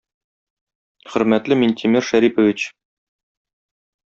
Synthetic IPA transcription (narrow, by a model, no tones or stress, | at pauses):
χɵ̆ɾmæt̪lɘmint̪ʰʲimiɾʃæɾipŏvʲit͡ɕ